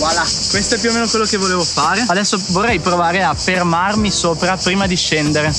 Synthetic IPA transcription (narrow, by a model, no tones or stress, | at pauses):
lakwest̪oɛpːjuomeːnokwelːokevoleːvofaːɾead̪ɛsːovorːɛjpɾovaːɾeafermarmisoːpɾapɾiːmad̪iʃːend̪eɾe